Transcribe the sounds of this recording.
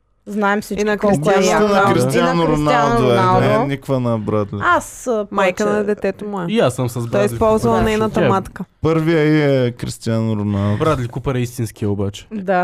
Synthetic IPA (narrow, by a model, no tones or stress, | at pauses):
znaɛmsit͡ʃiinɐkɔɾisɛnkɾist̪ijanoɾonlˠd̪oɛalˠɛnikvənɐbɾad̪lʲiasmajkənɐd̪ɛt̪ɛt̪omʊɛijasːəmsɐzbtɾɔislʲipɔlˠzvɐlˠɐnɛnɐt̪ɐmmat̪kəpəɾviəiɛkɾist̪ianɾʊnalˠbɾad̪lʲikupɐɾɛist̪inskiəobat͡ʃɛ̥d̪a